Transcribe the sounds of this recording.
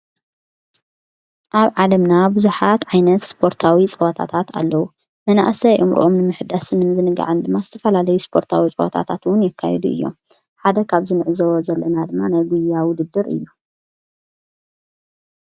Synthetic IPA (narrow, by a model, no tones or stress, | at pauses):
ʔaβʕalɐmnabuzuħat̪ʕajnɐt̪spʰo̞ɾt̪ʰawit͡sʼɨwɐt̪ʰa̰t̪ʰat̪a̰lːɐwu | mɐna̰ʔsɐjʔɨmɾ̰ʔomnɨmɨħɨd̪asɨnːmɨzɨnɨɡa̰ʕɨnd̪ɨmːazɨt̪ʰɐfɐlalɐjuspʰo̞ɾt̪ʰawit͡sʼɐwɐ̰t̪ʰa̰t̪ʰat̪wʊnjɪkʰːa̰jɛd̪uʔɨ̰jːo̞̰m | ħad̪ɐkʰaβzɨnɨʕzɐwozɐlːɐnad̪ɨmːanajɡʷujawʊd̪ɨd̪ːɨɾɨ̰jːu